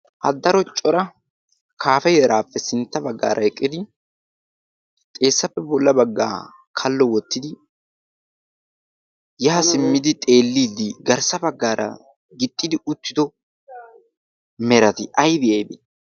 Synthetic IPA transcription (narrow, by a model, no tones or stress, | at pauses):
ʔɐ̰d̪ːɐɾɔt͡ʃʼːɔɾɐ | kʰaːfɛjɛɾaːpːɛsɪnt̪ːɐbɐɡːa̰ːɾʔɐɛkʼːɪd̪ɪ | t̪ʼe̞ːsːɐpːɛbɔlːɐbɐɡːa̰ː | kʰɐlːɔwɔt̪ːɪd̪ɪ | jɛhɐsɪmːɪd̪ɪt̪ʼe̞ːlːiːd̪ːɪɡɐɾsɐbɐɡːaːɾʔɐ̰ | ɡɪt̪ʼːɪd̪ɪʊt̪ːɪd̪ɔ | mɛɾɐt̪ɪʔɐjbɪjɐjbḛ